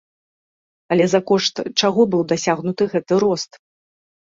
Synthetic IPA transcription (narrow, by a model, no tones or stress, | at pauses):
ɐlʲɛzakɔʂt̪t͡ʂaɣɔbɨwd̪asʲaɣnut̪ɨɣɛt̪ɨɾɔst̪